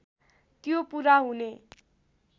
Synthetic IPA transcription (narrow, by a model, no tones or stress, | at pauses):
t̪jopuɾaɦune